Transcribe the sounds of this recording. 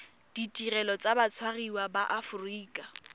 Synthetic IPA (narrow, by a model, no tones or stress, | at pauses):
d̥itʼirɛlɔt͡sʼabat͡sʰwariwabaʔafʊriːkʼa